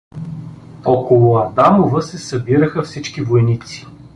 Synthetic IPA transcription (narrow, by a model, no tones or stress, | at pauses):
ɔkolˠʊɐd̪amovəsɛsɐbiɾəxəfsit͡ʃkivojnit̪si̥